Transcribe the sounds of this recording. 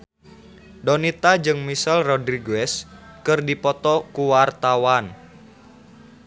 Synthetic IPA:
dɔnit̪ad͡ʒɨŋmisɛlrɔdɾiɡɛskɨrdipɔt̪ɔkuwart̪awan

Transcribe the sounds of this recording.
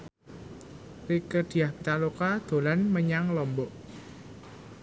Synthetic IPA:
rikəd̪̥i̤jahmit̪alukad̪̥o̤lanməɲaŋlɔmbɔʔ

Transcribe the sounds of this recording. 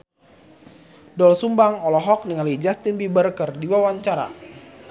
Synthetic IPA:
dɔlsumbaŋɔlɔɦɔk̚niŋalid͡ʒast̪inbibərkərdiwawaɲt͡ʃaɾa̰

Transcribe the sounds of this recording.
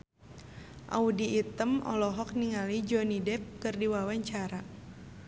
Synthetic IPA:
ʔa̰udiːt̪əmɔ̰lɔɦɔk̚niŋalid͡ʒɔnidɛp̚kɨrdiwawaɲt͡ʃaɾa

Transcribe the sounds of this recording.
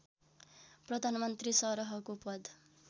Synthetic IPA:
prʌd̪ʱanmʌnt̪risʌɾʌɦʌkupʌd̪

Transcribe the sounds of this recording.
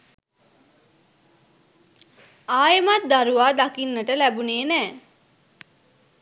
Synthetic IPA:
aːjəmat̪̚d̪aɾuʋaːd̪akinːəʈəlæbuneːnɛː

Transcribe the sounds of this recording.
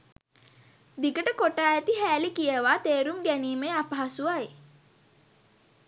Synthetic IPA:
d̪ikəʈəkoʈaːæt̪iɦæːlikijəʋaːt̪eːɾumɡæniːmeapəɦasuaj

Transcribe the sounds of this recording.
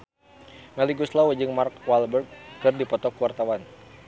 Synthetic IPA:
maliɡuslawəd͡ʒɨŋmarkwalbərɡ̚ːɨrdipɔt̪ɔkuwart̪awan

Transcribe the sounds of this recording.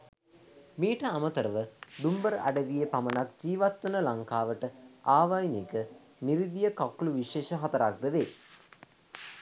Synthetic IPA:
miːʈəamət̪əɾəʋəɖumbəɾæ̰ɖəʋijəpamənak̚d͡ʒiːʋat̪wunəlaŋkaːʋəʈəaːʋajnikə | niɾid̪ijəkakːuluʋiʃeːʃəɦɐt̪ɐɾak̚d̪əʋeː

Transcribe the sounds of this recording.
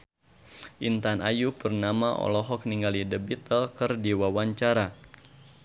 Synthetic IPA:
ʔint̪anʔajupərnamaɔ̰lɔɦɔk̚niŋɡalidəbit̪əlkərdiwawaɲt͡ʃaɾa

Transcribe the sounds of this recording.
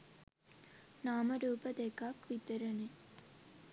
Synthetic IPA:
naːmɐɾuːpɐd̪ekakʋit̪əɾɐne

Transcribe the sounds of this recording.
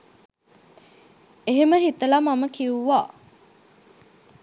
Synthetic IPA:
eɦeməɦit̪əlamaməkiuʋa

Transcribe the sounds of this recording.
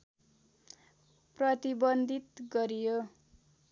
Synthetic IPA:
prʌt̪ibʌnd̪ʱit̪ɡʌɾijo

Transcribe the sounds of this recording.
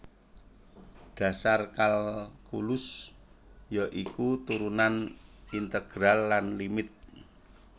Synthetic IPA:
ɖ̥ä̤sarkalkulʊs | jaʔikut̪uɾunanint̪əɡ̥ɾalːanlimɪt̪̚

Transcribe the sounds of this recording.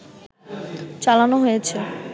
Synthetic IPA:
t͡ɕalanoɦojet͡ɕʰe

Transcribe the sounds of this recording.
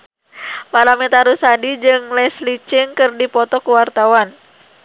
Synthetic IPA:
paɾamɛt̪aɾusadid͡ʒɨŋlɛslit͡ʃɪŋkɨrdipɔt̪ɔkuwart̪awan

